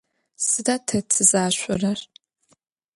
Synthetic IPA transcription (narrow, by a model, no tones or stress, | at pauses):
sɨdaːtʰɐt͡sʰɨzaːɕʷʊrɐr